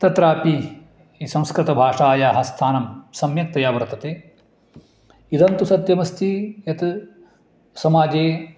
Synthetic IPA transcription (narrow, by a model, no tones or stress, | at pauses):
t̪ɐt̪ɾaːpi | isɐ̃mskɾɨt̪ɐbʱaːʂaːjaːɦɐst̪ʰaːnɐmsɐmjɐk̚t̪ɐjaːʋɐɾt̪ʰɐt̪eː | id̪ɐnt̪usɐt̪jɐmɐst̪ʰijɐt̪ | sɐmaːd͡ʒeː